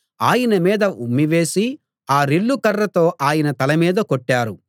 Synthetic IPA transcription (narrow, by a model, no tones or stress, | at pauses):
aːjɐnɐmiːd̪ɐʔumːiʋe̞ːsi | aːɾiɭːukɐrːɐt̪o̞ːʔaːjɐnɐt̪ɐlɐmiːd̪ɐkoʈːaːɾu